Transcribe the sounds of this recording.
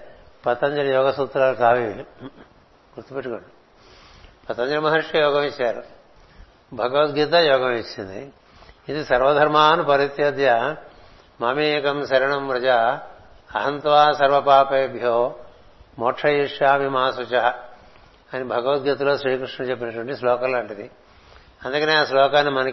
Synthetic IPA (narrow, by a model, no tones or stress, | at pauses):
pɐt̪ɐɲd͡ʒɐɾjoːɡɐsut̪ːɾaːɾkaːʋiʋ | ɡuɾt̪upeʈikoɳɖu | pɐt̪ɐɲd͡ʒɐmɐɦɐɾʂjɐjoːɡɐmit͡ʃɐɾ | bʱɐɡɐʋɐt̪̚ɡit̪̬ɐjoːɡɐmit͡ʃːind̪ḭ | it̪isɐɾʋɐd̪ʱɐɾmaːnupɐɾit̪jɐd̪jɐ | mɐmeːkɐmʃɐɾɐɳɐmpɾɐd͡ʒaː | ɐɦɐnt̪ʋaːsɐɾʋɐpaːpɐjɐbʱjoː | mɔʈʂʰɐjiʂjaːʋimɐɦasɐt͡ʃɐɦɐ | ɐnibʱɐɡɐʋɐt̪̚ɡit̪ɐloːsɾiːkɾiʂɳɐt͡ʃepːinɐʈuʋɐɳʈislɔːkɐloːuɳʈid̪i | ɐnd̪ukɐneːaːslɔːkaːnːimɐnɐ